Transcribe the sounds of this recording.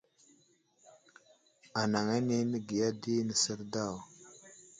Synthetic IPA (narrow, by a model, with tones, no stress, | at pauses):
a˨na˨ŋa˦ni˦nə˦ɡi˨ja˦di˦nə˨sə˦ɾda˦˨w